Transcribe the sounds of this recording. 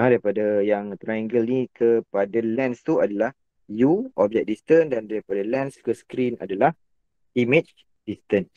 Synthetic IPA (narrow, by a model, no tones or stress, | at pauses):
adaɾipadajaŋt̪ɾajãŋɡəlnikʰəpadalɛ̃nst̪uadalah | juʔɔb̚d͡ʒɛk̚dist̪əndandaɾipadalɛ̃nskəskɾina̰dalah | imet͡ʃ | d̥ist̪ən